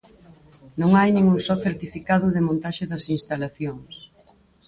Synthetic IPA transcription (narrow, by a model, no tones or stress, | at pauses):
nõŋajnĩŋuŋsɔθeɾt̪ifikaðʊðɪmõnt̪aʃɪðɐsinst̪alaθjoŋs